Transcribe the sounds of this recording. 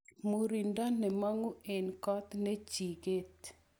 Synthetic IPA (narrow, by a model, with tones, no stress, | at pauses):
mu˨ɾi˨nda˦nɛ˨ma˦ŋo˦e˨nkɔ˦t̪ne˦t͡ʃi˨ɡe˦t̪